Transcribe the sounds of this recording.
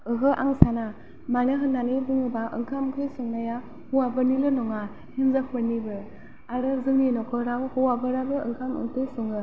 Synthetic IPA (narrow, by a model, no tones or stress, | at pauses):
ɯɦɯʔa̰ŋsana | manɯɦɯnːanibɯŋɯbaʔɯ̰ŋkʰamkʰɯsɯŋnaja | huwabɯnilɯnɔŋa | hinzak̚ʰpɯɾnibɯ | aɾɯzɯŋninɔkʰɯɾawhuwabɯɾabɯɯŋkʰamɯ̰ŋtɯsɔŋɯ